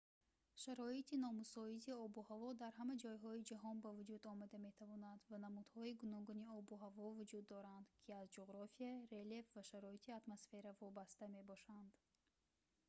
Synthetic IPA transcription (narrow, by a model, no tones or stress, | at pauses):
ʃaɾɔit̪ʰinɔmusɔiziɔbuhavɔd̪aɾɦamad͡ʒɔjɦɔid͡ʒaɦɔnbavud͡ʒud̪ɔmad̪ame̞t̪ʰavɔnand̪vanamud̪hɔiɡunɔɡuniɔbuɦavɔvud͡ʒud̪ːɔɾand̪kʰiazd͡ʒoʁɾafiaɾe̞le̞fvaʃaɾɔit̪ʰiat̪mosfe̞ɾavɔbast̪ame̞bɔʃand̪